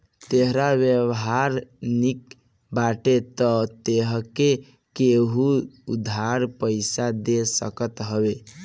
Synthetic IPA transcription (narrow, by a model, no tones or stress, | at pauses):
t̪eɦɾabjəwɦaɾnik | baʈet̪ət̪eɦəke | keɦuud̪ʱːaɾpəɪsad̪esəkət̪ɦəbe